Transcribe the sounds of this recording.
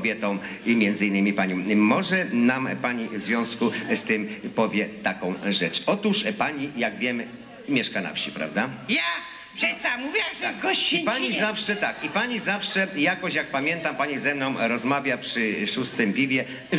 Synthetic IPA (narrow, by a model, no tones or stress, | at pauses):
bʲjɛt̪ɔ̃w̃ | imʲjɛnd̪zɨinːɘmʲipaɲɔ̃mɔʐɛnampaɲivzvʲjɔ̃w̃skust̪ɪmpɔvʲjɛt̪akɔ̃w̃ʐɛt͡ʂɔt̪uʂpaɲijaɡvʲjɛm | mʲjɛʂkana̰fɕipɾa̰vd̪aja | ɛsamuvʲjaɡɔt͡ɕipaɲizafʂɛt̪akipaɲizafʂɛjakɔɕjak̚pamʲjɛnt̪ampaɲizɛmnɔ̃w̃ɾɔzmavʲjapʂɘʂust̪ɘmpʲibʲjɛ